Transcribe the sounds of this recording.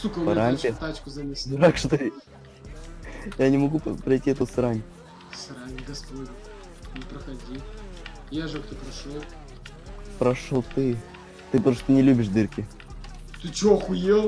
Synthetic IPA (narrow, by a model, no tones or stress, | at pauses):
sukɐɾamʲpʲɪt̪at͡ʃkʊzɐmʲesʲd̪ɾakʂt̪ɨ | janʲɪmɐɡupɾɐjtʲːiɛt̪usɾanʲ | sɾanʲɡɐspodʲ | nʲɪpɾɐxɐdʲi | jaʐɨkt̪opɾɐʂolˠ | pɾɐʂolˠt̪ɨ | t̪ɨpoʂt̪ɨnʲɪlʲubʲɪʂd̪ɨrkʲɪ | t̪ɨt͡ʃoxʊjelˠ